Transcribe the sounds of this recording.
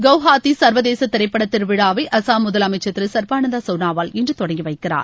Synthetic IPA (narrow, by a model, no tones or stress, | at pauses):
ɡɐʋɦaːt̪isɐɾʋɐðeːsɐt̪ːɪɾɐɪpːɐɽɐt̪ːɪɾʋɪɽaːʋɐɪʔɐsaːmʊðɐlɐmɐɪt͡ʃːɐt̪ːɯsɐɾpaːnɐnd̪asɐʋnaːʋaːlɪndrɯt̪ɔɽɐŋɡiʋɐɪkːɪra̰ːɾ